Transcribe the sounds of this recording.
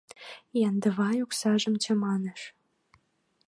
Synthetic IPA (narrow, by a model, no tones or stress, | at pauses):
jɑnd̪ə̆βɑjuksɑʒə̆mt͡ɕə̆mɑnĕʃ